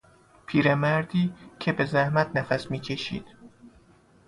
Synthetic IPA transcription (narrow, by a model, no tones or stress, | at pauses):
pʰiːɾemæɾd̪iːcʰe̞be̞zæhmæt̪ʰnæfæsmiːcʰe̞ʃḭːd̪̥